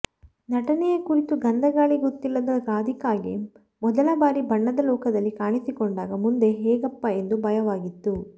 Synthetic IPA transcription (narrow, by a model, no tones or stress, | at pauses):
nɐʈɐnɛjekuɾit̪uɡɐnd̪ʱɐɡaːɭiɡot̪ːilːɐd̪ɐɾaːd̪ʱikaːɡi | mɔd̪ɐlɐbaːɾibʱɐɳːɐd̪ɐlɔːkɐd̪ɐlːikaːɳisikoɳɖaːɡɐmund̪e̞ɦɛːɡɐpːɐe̞nd̪ubʱɐjɐʋaːɡit̪ːu